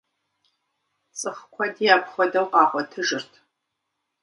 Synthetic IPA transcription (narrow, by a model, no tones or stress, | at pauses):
t͡sʼɨχqʷʰɔdijaːpχʷɔdɐwqɑːχʷɔtʰɨʒɨrtʰ